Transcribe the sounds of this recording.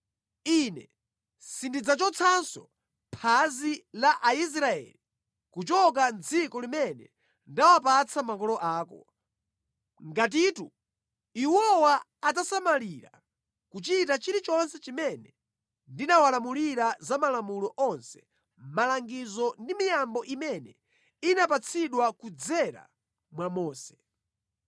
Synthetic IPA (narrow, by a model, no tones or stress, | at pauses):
inɛ | sindid͡zat͡ʃɔt͡sʰansɔ̰ | pʰazilaʔais̬ɾaɛ̰li | kut͡ʃɔk̬and͡zikɔlimɛnɛ̰ | ndawapat͡sʰamakɔlɔʔaːkɔ̰ | ŋɡat̬itu | iwɔwaː | t̬asamaliɾa̰ | kut͡ʃitat͡ʃiɾit͡ʃɔnsɛt͡ʃimɛnɛ | ndinawalamuliɾazamalamulɔʔɔnsɛ̥ | malaŋɡizɔndimijambɔʔimɛnɛ | inapat͡sʰiɗwakud͡zɛɾa̰ | mwamɔːsɛ̥